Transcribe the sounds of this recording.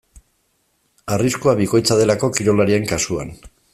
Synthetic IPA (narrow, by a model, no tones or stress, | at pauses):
ariskuaβiko̞jt͡sað̞e̞lako̞kiɾo̞laɾie̞ŋkasua̰n